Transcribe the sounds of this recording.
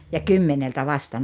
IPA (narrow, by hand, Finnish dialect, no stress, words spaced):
jɑ kymːeneltæ ʋɑstɑ